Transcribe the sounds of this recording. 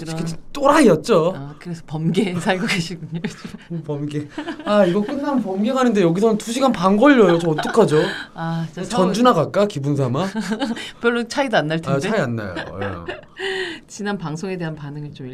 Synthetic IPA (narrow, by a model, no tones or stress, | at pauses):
id͡ʑit͈oɾaiʌt̚t͡ɕ͈oakɯɾesʰʌpʌmɡe̞sʰaɭɡoɡe̞ɕʰiɡuɲot͡ɕpʌmɡeaiɡʌk͈ɯnːanpʌmɡe̞ɡanɯnde̞jʌɡisʰʌnɯntuɕʰiɡanpanɡʌʎːʌjot͡ɕʌmʌt͈ɯkʰad͡ʑoat͡ɕt͡ɕʌnd͡ʑunaɡak͈akibuns̬ʰama | pjʌɭːot͡ɕʰaidoanːaɭtʰat͡ɕeaianːa̰jo̰ḛ | t͡ɕinanpaŋsʰoŋe̞de̞ɦanpanɯŋɯɭt͡ɕomi